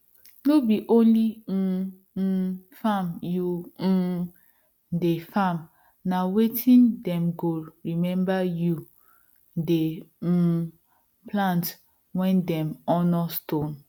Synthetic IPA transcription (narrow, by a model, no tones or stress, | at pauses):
nobiʔõnlin̩ | famju | defam | nawetʰĩndɛ̃mɡoɹimɛ̃mbaju | de | plãnt | wɛ̃ndɛ̃mɔnɔstõn